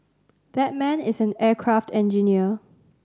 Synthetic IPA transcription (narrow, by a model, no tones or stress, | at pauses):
ðɛt̚mɛ̃nɪsɛ̃nɛːkʰɹaftɛ̃nd͡ʒiniə